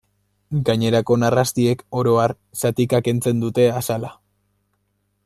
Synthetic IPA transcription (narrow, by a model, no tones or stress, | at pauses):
ɡaɲe̞ɾako̞narast̪ie̞ko̞ɾo̞aɾ | sat̪ikake̞nt͡se̞nd̪ut̪e̞asala